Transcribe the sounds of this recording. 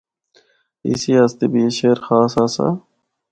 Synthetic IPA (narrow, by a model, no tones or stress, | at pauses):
ḭsiast̪ebiɕeːɾxaːsaːsa̰